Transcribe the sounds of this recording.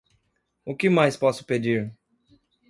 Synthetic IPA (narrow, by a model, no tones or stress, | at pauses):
ʊkɪmajspɔsʊ̥ped͡ʒiɾ